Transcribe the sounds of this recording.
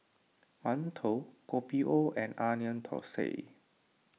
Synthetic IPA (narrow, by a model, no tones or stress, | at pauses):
mãntʰokopiʔoʔɛ̃nʔaniə̃nt̪ʰɔ̰sḛ